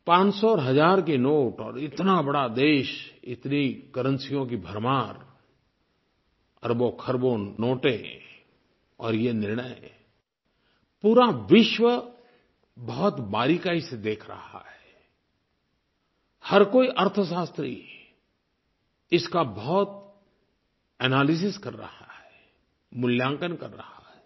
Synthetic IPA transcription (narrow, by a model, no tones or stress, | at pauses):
pãːt͡ʃsɔːɾɦɐzaːɾk̬inoːʈɔːɾɪt̪nabɐɽad̪eːʃɪ̰t̪nikɐɾə̃nsijõkibʱəɾmaːɾ | ɐ̰ɾbokʰəɾbõnoːʈẽ | ɔːɾjenɪɾɳəe | puːɾaʋɪʃwə | bɔɦʊt̪baːɾikaised̪eːkʰɾɐ̰ha̰ɦɛː | hɐɾkoːiʔɐɾt̪ʰəʃaːst̪ɾḭ | ɪskabɔɦɔt̪̚ | ɛnaːlɪs̬ɪskɐɾːɐ̰hahɦɛɛ | mʊljãːŋkənkɐɾːɐ̰haɦɛː